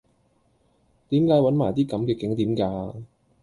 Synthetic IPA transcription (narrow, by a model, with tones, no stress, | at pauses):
t̪iː˨˥mkaː˨˥jwɐ˨˥nmaː˨˩jt̪iː˥kɐ˨˥mkɛː˧kɪ˨˥ŋt̪iː˨˥mkaː˧